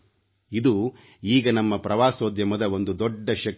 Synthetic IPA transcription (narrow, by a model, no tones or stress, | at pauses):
id̪u | iːɡɐnɐmːɐpɾɐʋaːsoːd̪jɐmɐd̪ɐo̞nd̪ud̪ɔɖːɐʃɐk